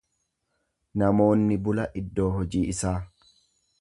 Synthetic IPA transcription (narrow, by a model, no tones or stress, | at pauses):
nɐmo̞ːnːɪbʊlɐʔɪd̪ːo̞ːɦɔd͡ʒiːɪsaː